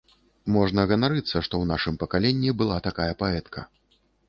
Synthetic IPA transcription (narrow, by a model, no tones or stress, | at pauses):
mɔʐnɐɣɐnaɾɨt̪sːɐʂt̪ɔwnaʂɨmpɐkalʲɛnʲːibɨlˠat̪akajɐpaɛt̪kʰɐ